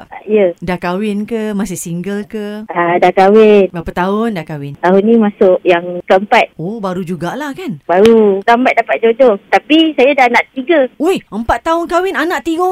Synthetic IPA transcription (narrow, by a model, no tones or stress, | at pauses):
a̰ijədakawɪnkəmasɪsiŋɡəlkəadakawɪnbapat̪aʊndakawɪnt̪aɦʊnːĩmasʊʔjaŋkəəmpat̪̚obaɾud͡ʒuɡaʔlahkanbaɾutambat̪̚dapat̪̚d͡ʒod͡ʒɔt̪apisajadanaʔt̪iɡəojəmpat̪ːaɦʊnkawɪnanãʔt̪iɡo